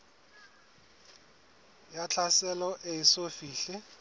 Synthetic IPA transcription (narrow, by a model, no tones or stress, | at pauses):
jat͡ɬʰasɛlɔʔeisofiːɬɪ